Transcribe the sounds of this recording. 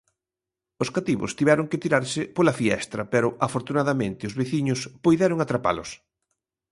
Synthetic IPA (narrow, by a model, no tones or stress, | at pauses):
ʊskat̪iβʊ̰st̪iβɛɾʊŋkɪt̪iɾaɾsɪpolafiɛ̰st̪ɾɐpɛɾʊʔafoɾt̪unaðɐmẽnt̪ɪʊzβeθiɲʊspujðɛɾʊŋat̪ɾapa̰lʊ̰s